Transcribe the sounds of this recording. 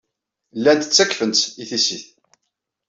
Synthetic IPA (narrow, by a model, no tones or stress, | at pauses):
lːænd̪ət͡sːækfənt͡s̪iθisiθ